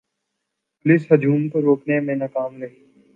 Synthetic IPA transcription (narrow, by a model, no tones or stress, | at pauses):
plɪsɦɐd͡ʒʱuːmkoɾoːknemẽnakaːmɾe